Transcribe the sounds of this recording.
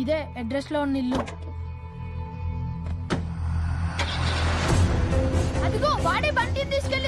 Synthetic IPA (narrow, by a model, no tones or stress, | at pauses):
id̪eːɐɖɾesloːnːilːu | ɐd̪ukoːʋaːɽeːpɐɳʈint̪iːsu̥kel